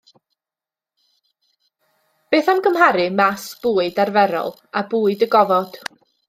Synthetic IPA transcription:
b̥eːθamɡəmɦaɾɨmasb̥uːɨdarvɛɾɔ̰lˠ | abuːɨdəɡɔvɔd̥

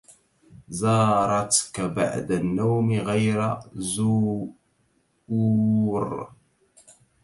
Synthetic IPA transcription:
zɑːɾˤɑt̪kaba̰ʕd̪anːawmiɣajɾazu | uɾˤ

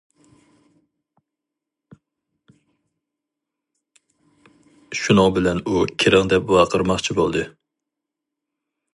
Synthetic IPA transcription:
ʃunɑbɪlɛnukʲʰeɾɪŋd̪ɛpwɑqʰəɾmɑχt͡ʃʰibolˠd̪ɨ

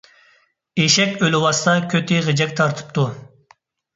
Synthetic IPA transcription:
eʃɛkʲølɪwɑst̪ɑkʲʰøt̪ʰɪʁəd͡ʒɛkʲt̪ʰɑɾt̪ʰɨ̥p̚t̪ʰu

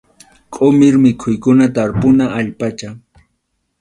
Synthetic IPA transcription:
kʼomɪɾmɪkʰʊjkʊnat̪aɾpʊnaːʎpat͡ʃa

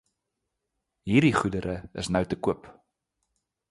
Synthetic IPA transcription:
ɦiːrdiχudəɾʔəəsnœwtəkuəp

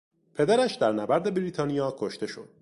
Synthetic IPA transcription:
pʰe̞d̪æɾæʃd̪æɾnæbæɾd̪e̞bɾiːt̪ʰɒːnijɒːkʰoʃt̪e̞ʃo̰d̪̥

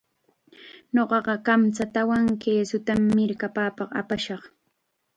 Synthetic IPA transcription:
ɲoɢɑɢɑkamt͡sat̪awaŋkeːsʊt̪amːɪɾkapaːpɑqa̰paʃɑχ

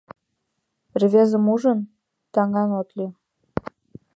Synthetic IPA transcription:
rvʲezə̆muʒə̆n | t̪ɑŋɑnot̪lʲi

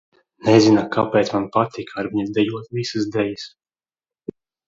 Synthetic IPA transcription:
nɛzinakapɛːt̪smanpat̪ikʰaɾmiɲɛd̪ɛjuɔt̪vʲisɨsd̪ɛjis

